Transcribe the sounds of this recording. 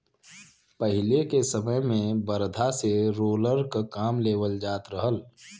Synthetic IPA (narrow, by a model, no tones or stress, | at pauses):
pəɦɪlekesəməjmẽbəɾd̪ʱaseɾoːləɾkakaːmleːʋəld͡ʒaːt̪ɾəɦəl